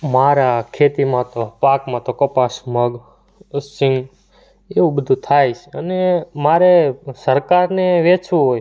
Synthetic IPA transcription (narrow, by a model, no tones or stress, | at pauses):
maɾakʰet̪imãt̪opakmãt̪okəpasməɡ | sɪ̃ŋɡ | eʋũbəd̪ʱũt̪ʰajt͡ʃʰənemaɾesəɾkaɾneʋet͡ʃʰʋuɦoj